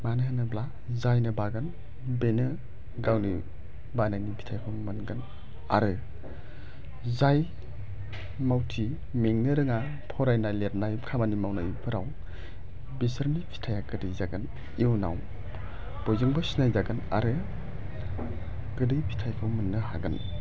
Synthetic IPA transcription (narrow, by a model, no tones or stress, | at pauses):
manɯɦɯnɯbla | zajnɯbaɡɯn | benɯ | ɡawni | bananipʰi̥tʰajkʰɯmɯnɡɯn | a̰ɾɯ | zaj | mawtʰi | meŋnɯɾɯŋa | pʰɔɾajnalet̚najkʰamanimawnajpʰɯɾaw | bisəɾmipʰi̥tʰajakɯdɯjzaɡɯn | iwna̰w | b̥ɔjzɯŋbɯsinajzaɡɯna̰ɾɯ | ɡɯdɯjpʰi̥tʰajkʰɯmɯnːɯɦaɡɯn